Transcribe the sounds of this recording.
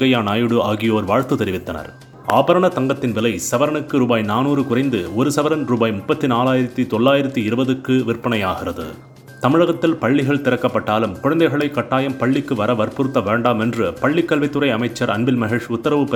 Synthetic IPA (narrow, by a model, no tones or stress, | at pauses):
ɐjaːnaːjɯɽɯaːɣɪjoːɾʋaːɻt̪ːɯt̪ɛɾɪʋɪt̪ːɐnɐ̰ɾ | a̰ːbɐɾɐɳɐt̪ɐŋɡɐt̪ːɪnʋɪlɐɪsɐʋɐɾɐnɯkːɯɾuːbaːjnaːnuːrɯkʊrɐɪnd̪ɯɔɾɯsɐʋɐɾɐnɾuːbaːjmʊpːɐt̪ːinaːlaːjɪɾɐt̪ːit̪ɔɭːaːjɪɾɐt̪ːiɪɾɯbɐðɯkːɯʋɪrpːɐɳɐjaːɣɪrɐðɯ̰ | t̪ɐmɪɻɐɣɐt̪ːɪlpɐɭːɪɣɐɭt̪ɪɾɐkːɐpːɐʈːaːlɯmkʊɻɐnd̪ɐɪɣɐɭɐɪkːɐʈːaːjɐmpɐɭːɪkːɯʋɐɾɐʋɐɾpɯɾɯt̪ːɐʋeːɳɖaːmɛndrɯpɐɭːɪkːɐlʋɪt̪ːɯɾɐɪɐmɐɪt͡ʃːɐɾɐ̰nbɪlmɐɦeːʂʊt̪ːɐɾɐʋɯp